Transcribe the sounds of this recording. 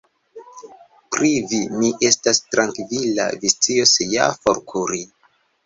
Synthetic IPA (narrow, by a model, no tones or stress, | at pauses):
pɾivimiʔe̞stastɾaŋkvila̰vist͡sio̞seja̰fo̞ɾkʰuɾi